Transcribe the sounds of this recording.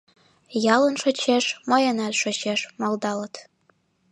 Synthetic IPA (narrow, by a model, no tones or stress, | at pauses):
jɑlənʃot͡ɕeʃmɤjənælʲʃot͡ɕeʃmɑld̪ɑlət̪